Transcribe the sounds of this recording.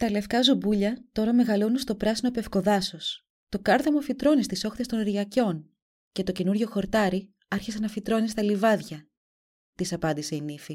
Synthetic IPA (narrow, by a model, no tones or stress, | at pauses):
t̪ɐle̞fkɐzubuʎɐt̪o̞ɾɐme̞ɣɐlo̞nust̪o̞pɾɐsino̞pe̞fko̞ðɐso̞s | t̪o̞kɐɾðemofit̪ɾo̞nist̪iso̞xt̪est̪o̞nɾʝɐco̞n | ce̞t̪oce̞nuɾʝo̞xo̞ɾt̪ɐɾi | ɐɾçise̞nɐfit̪ɾo̞nist̪ɐlivɐðʝɐ | t̪isɐpɐnd̪ise̞inifi